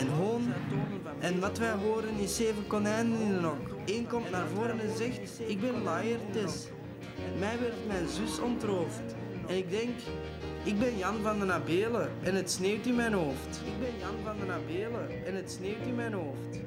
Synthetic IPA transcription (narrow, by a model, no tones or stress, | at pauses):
ɛnɦoːn | ɛnʋɑtʋɛjɦoːɾənɪseːvənkɔnɛnənɪənɔk | eːnkɔmtnaːrvoːɾənɛnzɛxt | ɪɡ̚bɛnlajərtɛs | mɛjʋɪrtmɛjnzʏsɔntroːft | ɛnɪɡ̚dɛŋk | ɪɡ̚bɛnjɑnvɑnd̪ənabeːləʔɛnɦətsneːwtɪnmɛjnɦoːftɪɡ̚bɛnjɑnvɑndənabeːlə | ɛnətsneːwtɪnmɛjnɦoːft